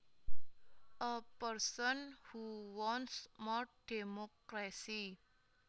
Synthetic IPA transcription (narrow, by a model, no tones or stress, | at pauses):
ʔəpəɾsənhuwɔnsmɔɾɖ̥emokɾasi